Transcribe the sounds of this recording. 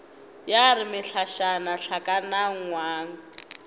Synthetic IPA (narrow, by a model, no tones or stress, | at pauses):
jarɪmɪɬaʃanaɬakʼanaŋ̩ŋwaːŋ̩